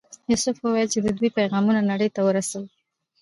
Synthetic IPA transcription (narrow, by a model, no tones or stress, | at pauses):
jusʊfwəwajəlt͡ʃed̪əd̪wipajɣɑmunanaɽəjt̪awəɾasaw